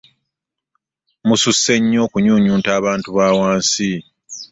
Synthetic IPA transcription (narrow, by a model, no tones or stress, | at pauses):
mususːe̞ɲːo̞ːkuɲuːɲuːntaːβaːntuβaːwaːnsi